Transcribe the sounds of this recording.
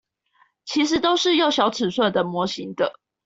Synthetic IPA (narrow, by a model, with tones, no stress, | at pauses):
t͡ɕʰi˧˥ʂɻ̩˨˥t̪o˥ʊʂɻ̩˥˧jo˥˨ʊɕjɑ˨˥ʊt͡sʰɹ̩˨˩swə˥˨nd̪ə˩mwɔ˧˦ɕi˧˥ŋd̪ə̰˨